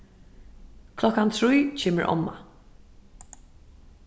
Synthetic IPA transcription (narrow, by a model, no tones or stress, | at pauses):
kʰlɔkːant̪ʰɾujt͡ʃʰɛːmə̰ɹʔɔ̰mːa̰